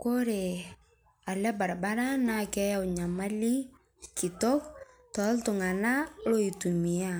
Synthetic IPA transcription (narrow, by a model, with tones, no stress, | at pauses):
ko˦ɾe˨ | a˨lɛ˦ba˨ɾaba˦ɾa˦na˦kɛ˦ja˦wɲa˨ma˦li˦ | ki˨tɔ˦k | tɔ˨˦ltʊ˨ŋa˨na˦lo˦i˨tu˨mi˨a˦